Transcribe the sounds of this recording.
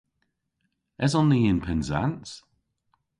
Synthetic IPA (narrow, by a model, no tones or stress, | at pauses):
ɛzɔnðiɪnpʰɛnza̰ns